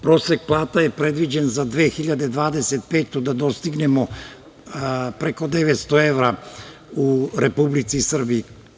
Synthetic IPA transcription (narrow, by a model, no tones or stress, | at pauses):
pɾo̞ːsek̚plˠaːt̪ajepɾe̞d̪ʋid͡ʑenzad̪ʋeːxiʎad̪ed̪ʋaːd̪eset̪̚peːt̪od̪ad̪o̞st̪iɡne̞mo | pɾe̞ko̞d̪e̞ʋet̪st̪oe̞ʋɾa | uɾepublit̪sisr̩biː